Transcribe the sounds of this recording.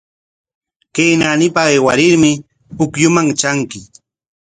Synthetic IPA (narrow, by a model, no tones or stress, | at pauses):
kejnanɪpaeːwaɾɪɾmɪ | pʊkjʊmaŋt͡ʃaŋkɪ